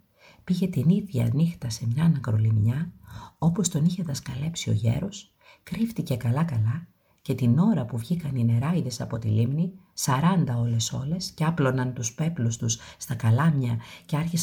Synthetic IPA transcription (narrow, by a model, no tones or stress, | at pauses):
piʝe̞t̪iniðʝɐɐ̰nixt̪ɐse̞mɲɐnɐkɾo̞limɲɐo̞po̞st̪o̞niçe̞ðɐskɐle̞psio̞̰ʝḛɾo̞s | kɾift̪ice̞kɐlɐkɐlɐ | ce̞t̪ino̞ɾɐpuvʝikɐnine̞ɾɐiðe̞sɐpo̞t̪ḭlimni | sɐɾɐnd̪ɐo̞le̞so̞le̞sceɐplo̞nɐnt̪uspe̞plust̪usst̪ɐkɐlɐmɲɐce̞ɐɾçis